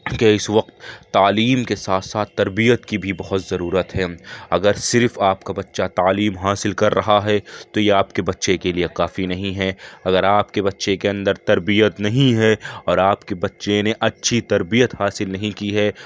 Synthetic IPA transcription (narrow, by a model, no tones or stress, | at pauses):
keɪsʋɐq̚t̪ːaːliːmkesaːt̪ʰsaːt̪ːɐɾbijət̪kibʱibɐɦɔt̪zɐɾuːɾət̪ɦɛːɐɡəɾsɪɾfaːpkabɐtːʃat̪aːliːmɦaːsɪlkɐɾːɐɦaɦɛt̪ojeaːpkebɐtːʃekeliekaːfinɐɦĩɦɛɐɡəɾaːpkebɐtːʃekeɐ̃nd̪əɾt̪ɐɾbijət̪nɐɦĩɦɛɔːɾaːpkebɐtːʃeneʔɐtːʃʰit̪ɐɾbijət̪haːsɪlnɐɦĩkiɦɛː